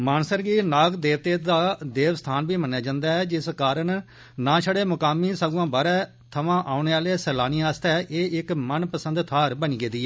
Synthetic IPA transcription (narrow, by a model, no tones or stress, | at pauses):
maːnsəɾɡiːnaːɡd̪eːʋt̪eːd̪aːd̪eːʋst̪ʰaːnbiːmənːjaːd͡ʒãːnd̪aːɛːd͡ʒɪskaːɾəɳ | nãːʃʰəɽeːmʊkaːmiːsəɡãːbaːɾɛː | t̪ʰəʋãːʔaːʊneːaːleːsəlaːniːaːst̪ɛːʔeːɪkmənpəsə̃nd̪t̪ʰaːɾbəniːɡeːd̪iːɛː